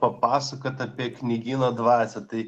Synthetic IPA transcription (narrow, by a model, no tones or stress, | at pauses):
pɐpɑːsɐkot̪ɐpʲiɛknʲɪɡʲiːnod̪ʋɑːsʲɛt̪ɐɪ